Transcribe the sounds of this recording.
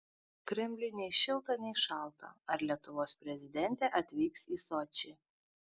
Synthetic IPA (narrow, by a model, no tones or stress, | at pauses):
kɾʲɛmʲlʲʊnʲɛɪʃʲɪlˠt̪ɐnʲɛɪʃɑˑlˠˑt̪ɐ̰ɐɾlʲiɛt̪ʊʋoːspʲɾʲɛzʲɪd̪ʲɛnʲt̪ʲɛʔɐt̪ʲʋʲiːksiːsɔt͡ʃʲi